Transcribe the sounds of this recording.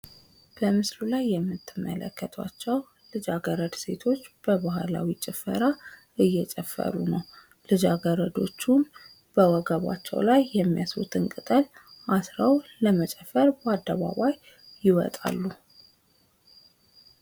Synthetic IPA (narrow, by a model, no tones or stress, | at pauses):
b̥əmɨsɾulajːɛmːɨt̪ʰːɨmːə̰lə̰kːət̪ʰwa̰t͡ʃːɛw | lɨd͡ʒaɡəɾəd̪se̞t̪ʰo̞t͡ʃːb̥əβaɦala̰wit͡ʃʼɪfə̰ɾa | ɨjːɛt͡ʃʼəfːə̰ɾunəw | lɨd͡ʒaɡəɾəd̪o̞̰t͡ʃːun | b̥əwɔɡəβa̰t͡ʃːɛ̰wlajːɛmːijasṵt̪ʰɨnkʼɨt̪ʼəl | ʔasɾawləmət͡ʃʼɛfːəɾbad̪ːəβa̰βajː | ɪwɔ̰t̪ʼa̰lːu